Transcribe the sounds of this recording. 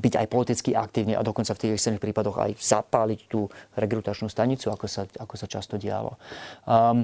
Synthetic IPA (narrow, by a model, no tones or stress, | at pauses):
biɟa̰jpɔlit̪it͡skiʔak̚t̪iːʊniːʔa̰d̪ɔkɔnt͡saft̪iːɣɛsɛɾnixpɾiːpad̪ɔɣa̰jz̥apaːlict̪uːɾɛɡɾut̪at͡ʃnuːst̪aɲit͡suakɔsaakɔsat͡ʃast̪ɔɟɪa̰lɔ̰